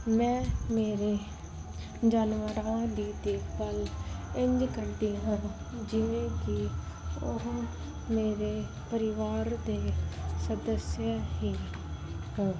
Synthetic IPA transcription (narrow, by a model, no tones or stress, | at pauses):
mɛ̃ːmeːɾeː | d͡ʒaːnʋəɾãːd̪iːd̪eːbəlɪ̃ɲd͡ʒkəɾd̪iːã | d͡ʒɪʋẽːkiːʊ̰ɦ | meːɾeː | pəɾɪʋaːɾd̪eːsəd̪əsjaːɦiː | ɦõː